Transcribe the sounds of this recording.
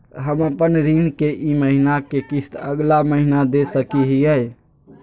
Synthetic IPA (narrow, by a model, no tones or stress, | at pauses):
ɦəməpənɾinkeʔiməɦinakekist̪əɡlaməɦinad̪esəkiɦiəj